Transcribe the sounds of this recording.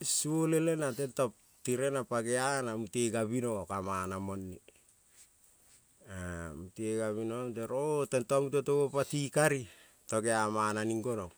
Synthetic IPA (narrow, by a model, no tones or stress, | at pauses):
suolelenatentop̚ | tiɾe̞napaɡeanamuteɡaβinokamanamonːi | amuteɡaβinomteɾotentomutotoɡopatikaɾi | toɡeamananiŋɡonok